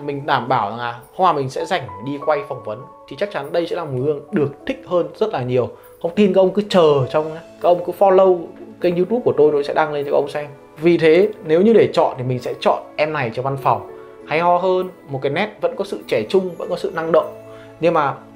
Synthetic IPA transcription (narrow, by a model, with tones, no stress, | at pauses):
mï˨˩ŋ̟ɗaː˧˩mɓaː˧˩wza̰˨˩ŋʔaː˨˩hə˧ŋ͡mhwaː˨˩mï˨˩ŋ̟sɛ̰˧˥za˨˩jŋ̟˨˩ɗi˧kwa˧jfɔ˨˩wŋ͡mvə˨˦nt̪ʰi˨˩t͡ɕa˦˥k̚t͡ɕa˨˦nɗə˧jsɛ̰˧˥laː˨˩mo˨˩ɨ˧əŋɗɨ˨˩ək̚t̪ʰï˦˥k̚həː˧nzə˦˥t̚laː˨˩ɲi˨˩əw | hə˧wŋ͡mt̪i˧nkaː˨˦˥ʔə˧wŋ͡mkɨ˨˦t͡ɕəː˨˩t͡ɕɔ˧wŋ͡mkaː˦˥k̚ʔə˧wŋ͡mkɨ˨˦fɔ˧lə˧wka˧˦ŋzu˧t̪u˦˥p̚ku˧˩ət̪o˧jt̪o˨˧˦jsɛ̰˧˥ɗa˧ŋle˧nt͡ɕːʔə˧wŋ͡msɛ˧ŋ | vi˨˩t̪ʰe˨˦ne˨˦wɲɨ˧ɗe˧˩t͡ɕɔ̰˧˨nt̪ʰi˨˩mï˨˩ŋ̟sɛ̰˧˥t͡ɕɔ̰˧˨nʔɛ˧mna˨˩jt͡ɕɔ˧˩va˧nfa˨˩wŋ͡m | ha˧jhɔ˧ɦəː˧nmo˨˩kaː˨˦jnɛ˦˥t̚və̰˧˥nkɔ˨˦sɨ̰˧˨t͡ɕɛ˧˩t͡ɕʊ˧ŋ͡mvə̰˧˥nkɔ˨˦sɨ̰˧˨na˧ŋɗə̰˧˨wŋ͡m | ɲɨ˧ŋmaː˨˩